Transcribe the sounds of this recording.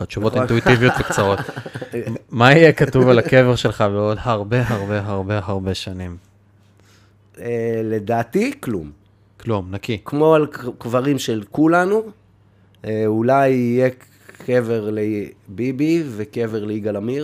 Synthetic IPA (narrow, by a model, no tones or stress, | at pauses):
aʃuvot̪it̪uit̪ivijot̪vekt͡saʁo̞t̪ | maijekatuvalake̞veʁʃelχabeo̞dhaʁbeɦaʁbeɦaʁbe̞ɦaʁbe̞ʃanim | ele̞d̪aːt̪iklum | klumnakikmo̞alkvaʁimʃelkulanu | eulajije | keveʁlebibivekeveʁleiɡalamiʁ